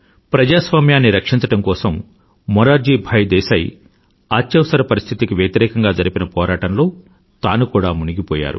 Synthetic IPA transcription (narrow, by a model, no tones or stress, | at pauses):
pɾɐd͡ʒaːsʋaːmjaːnːiɾɐkʂint͡ʃɐʈɐmkɔːsɐmː | ɔɾaːɾd͡ʒiːbʱɐjd̪ɛːsɐj | aːt͡ʃːjɐʋsɐɾɐpɐɾist̪ʰit̪ikiʋjet̪iɾɛːkɐŋɡaːd͡ʒɐɾipinɐpɔːɾaːʈɐnlo̞ː | t̪aːnukuːɽaːmuniɡipɔ̰ːja̰ːɾṵ